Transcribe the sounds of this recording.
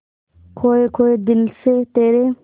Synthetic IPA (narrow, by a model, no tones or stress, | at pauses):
kʰoːekʰoːed̪ɪlset̪eːɾe